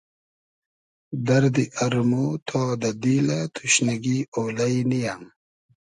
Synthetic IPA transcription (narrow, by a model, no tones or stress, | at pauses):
d̪ɐɾd̪iʔɐɾmot̪ʰɔːd̪ɐd̪ilat̪ʰuɕnɐɡioːlɐjnijam